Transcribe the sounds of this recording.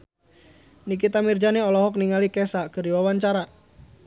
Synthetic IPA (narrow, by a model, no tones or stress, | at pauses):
nik̬it̪amird͡ʒaniɔlɔɦɔk̚niŋalikɛsakəɾiwawaɲt͡ʃaɾa